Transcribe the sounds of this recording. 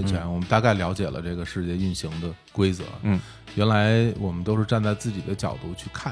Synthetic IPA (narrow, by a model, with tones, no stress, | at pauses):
nt͡ɕʰɥɛ˧˥nwɔ˨˩mə˦nt̪a˥˧ka˥˩ɪljɑ˧˥ʊt͡ɕjɛ̰˨˩lʔə̰˦ʈ͡ʂɤ˥˩ɡə˩ʂɻ̩˥˧t͡ɕjɛ˥˧y˥˩nɕi˧˥ŋd̪ə˧ | kwe˥ɪt͡sɤ̰˧˥˩ | ɥɛ˧˥nla˧˥ɪwɔ˨˩mə˦nt̪o˥ʊʂɻ̩˥˧ʈ͡ʂa˥˧nt͡sa˥˧ɪt͡sɹ̩˥˩t͡ɕḭ˨˩d̪ə˦t͡ɕjɑ̰˨˩ʊt̪u˥˩t͡ɕʰy˥˧kʰa˥˩